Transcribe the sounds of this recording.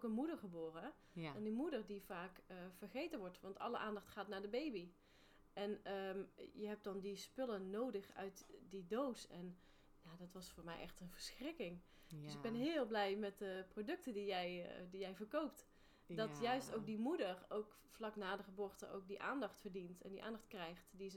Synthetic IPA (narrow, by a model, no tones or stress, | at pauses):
okənmudəɹχəboːrə | ɛndimudərdivaːkəv̥ərχejtənʋɔɹtʋɑntɑ̰lˠə̰ʔaːndɑχtχaːtnaːɹdəbejbi | ʔɛnəjəɦɛp̚d̥ɑndispʏlənowdəχœ̰ɥtdidowsɛn | jaːdɑtʋɑsfʊːɹmɛ̰jʔɛ̰xtənvərsxrɪkɪŋ | døsɪɡ̚bɛnɦɪːlˠblɛjmɛt̚dəprodɵk̚təndijɛjdijɛjvərkowp̚t | dɑtjœɥstowk̚dimudərowk | flɑknaːdəχəboːrtə̰ʔo̰wk̚diʔa̰ːndɑχtfərdintɛ̰ndiʔa̰ːndɑχt̚krɛjxtdi